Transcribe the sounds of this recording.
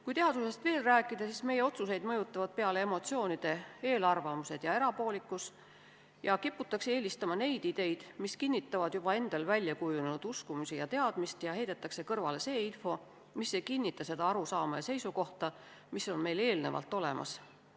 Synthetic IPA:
kujt̪eɑd̪use̞st̪ve̞ːlræːkːˑid̪̥ɑsisme̞jeo̞t̪sus̬e̞jd̪mɤjut̪ːˑɑvɑd̪̥̚peɑle̞emo̞t̪sio̞ːnid̪̥e̞e̞ːlɑrvɑmuse̞d̪̥jɑe̞ɾɑpo̞ːlikːˑus | jɑkipːut̪ːˑɑksee̞ːlist̪ɑmɑne̞jd̪̥id̪̥e̞jd̪̥miskinːit̪ːˑɑvɑd̪̥jub̥ɑe̞nd̪̥ɑlvælʲːjɑkujunnud̪̥uskumusijɑt̪e̞ɑd̪̥mist̪jɑɦe̞jd̪̥et̪ːˑɑkse̞kɤrvɑle̞se̞ːinfo̞ | misːe̞kinʲːit̪ːˑɑse̞d̪ɑɑɾusɑːmɑjɑse̞jsuko̞ht̪ɑ | misːo̞nme̞jle̞ːlne̞vɑ̰lt̪ːˑo̞le̞̰mɑ̰s

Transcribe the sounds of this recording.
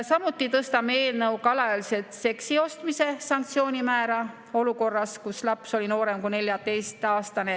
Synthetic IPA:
sɑmut̪ˑːit̪ɤst̪ɑmeeːlnɤwkɑlɑjɑlise̞t̪se̞ksio̞st̪mise̞sɑŋkt̪sio̞ːnʲimæːɾɑ | o̞luko̞rːɑskuslɑpso̞lino̞ːɾe̞mkune̞lʲjɑt̪e̞jst̪ɑːst̪ɑne̞

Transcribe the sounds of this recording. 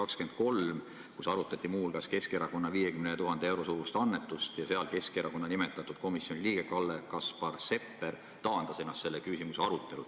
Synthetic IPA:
ɑkske̞nd̪̥̚ko̞lm | kusɑɾut̪ːˑɑt̪ˑːimuːlkɑske̞skeɾɑko̞nːɑviːjekymnet̪uɦɑnd̪ee̞wɾo̞suːɾust̪ɑnːet̪ːˑust̪jɑse̞ɑlke̞skeɾɑko̞nːɑnimɛt̪ːˑɑt̪ːˑud̪̥̚ko̞misjo̞nʲiliːɡ̥ekɑlːekɑspɑrse̞pːe̞ɾ | t̪ɑːnd̪̥ɑse̞nːɑst̪ːse̞lːekysimuseɑɾut̪ːˑe̞lṵ̥

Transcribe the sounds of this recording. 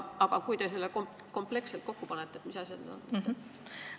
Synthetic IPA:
ɑɡ̥ɑkujt̪e̞se̞lːekom | ko̞mple̞kselt̪̚ko̞kːupɑnet̪ːˑeet̪misɑsjɑ̰d̪ny̰d̪o̰nːḛ

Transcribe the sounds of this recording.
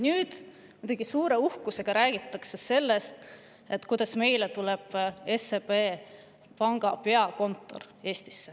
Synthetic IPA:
nyːd̪̥ | mujd̪ɑɡ̥isuːɾe̞uhkuse̞ɡ̥ɑɾæːɡ̥it̪ːˑɑksese̞lːe̞st̪ | et̪ːˑkujd̪ɑsme̞jlet̪ule̞b̥e̞sepeː | pɑŋɡ̥ɑpe̞ɑko̞nt̪ˑːo̞̰r | e̞ːst̪i̥sːe̥

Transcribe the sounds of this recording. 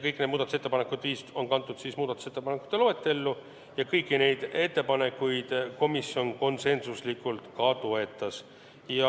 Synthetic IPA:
kɤjkned̪muːd̪ɑt̪uset̪ːpɑnekud̪viːst̪o̞nkɑnt̪ˑːud̪̥sismuːd̪ɑt̪ˑu̥set̪ːˑepɑnekːˑu̥t̪ːˑe̞lo̞et̪ːˑe̞lːu | jɑkɤjkːˑine̞jd̪̥e̞t̪ːe̞pɑne̞kːˑujd̪̥ko̞misjo̞nko̞nse̞nsuslikːˑult̪kɑt̪oe̞t̪ːˑɑs | jɑ

